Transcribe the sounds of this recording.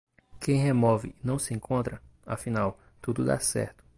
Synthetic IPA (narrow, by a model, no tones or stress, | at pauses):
kẽj̃hemɔvɪ̰nɐ̃w̃sɪẽŋkʰõnt̪ɾɐafĩnaw | t̪ud̪ʊd̪a̰sɛ̰ɾt̪ʊ̥